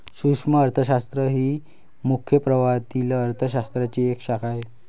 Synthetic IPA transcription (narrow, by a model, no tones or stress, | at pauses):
sukʂməːɾt̪ʰəɕast̪ɾəɦiː | mukʰjəpɾəʋat̪iləəɾt̪ʰəɕ̬ast̪ɾat͡ɕiekɕakʰaj